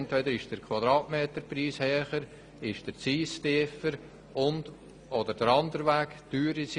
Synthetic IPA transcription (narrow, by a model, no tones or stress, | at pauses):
ntʋɛdəɾɪʃd̥əɾkʰwɑd̪ɾɑːtmeːtəɾpriːshɛːχəɾ | ɪʃd̥əɾt͡siːstɪfəɾ | ʊnd | ɔdəɾd̥əɾɑndəɾvæːktyːɾis